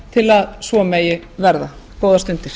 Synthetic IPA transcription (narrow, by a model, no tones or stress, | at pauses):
t̪ʰɪlaðsvɔmɛːjɪvɛɾðakoːwðast̪ʏnt̪ɪɾ̥